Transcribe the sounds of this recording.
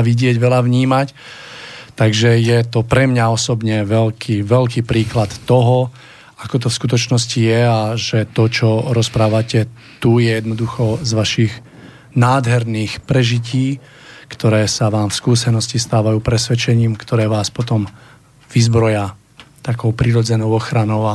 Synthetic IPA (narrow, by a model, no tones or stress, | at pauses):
ʋiɟɪɛɟʋɛlaʋɲiːmac | t̪aɡʒɛjɛt̪ɔpɾɛmɲaɔsɔbɲɛʋɛlkʰiʋɛʎkiːpɾiːklat̪ːɔɦɔ | akɔt̪̬ɔfskut̪ɔt͡ʃnɔscijɛaʒɛt̪ɔt͡ʃɔɾɔspɾaːʋacɛ | t̪ujɛjɛd̪nɔd̪uxɔzʋaʃiɣ | naːd̪ɦɛɾniːxpɾɛʒiciː | kt̪ɔɾɛːsaʋaːmfskuːsɛnɔscist̪aːʋajuːpɾɛsʋɛt͡ʃɛɲiːmkt̪ɔɾɛːʋaːspɔt̪ɔm | ʋizbɾɔja | t̪akɔʊpɾiɾɔd͡zɛnɔʊɔxɾanɔʊa